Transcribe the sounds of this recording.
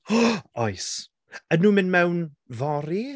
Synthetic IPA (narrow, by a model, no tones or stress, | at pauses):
ɔjs | ənuːmɪnmɛwn | vɔɾi